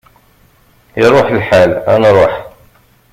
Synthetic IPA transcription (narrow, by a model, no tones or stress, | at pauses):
iɾˤoħlħalæ̰nɾˤoħ